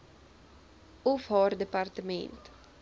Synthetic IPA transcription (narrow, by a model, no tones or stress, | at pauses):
ɔfɦɔrdəpartəmɛ̰nt